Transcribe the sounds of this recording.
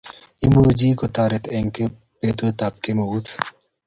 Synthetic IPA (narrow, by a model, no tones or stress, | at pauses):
imud͡ʒiːkot̪aːɾet̪eŋke | pet̪ot̪ap̚kemout̪ʰ